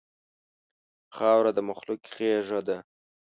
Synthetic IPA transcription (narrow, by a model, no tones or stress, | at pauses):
xɑwɾad̪əmʊxlʊkχeʐad̪a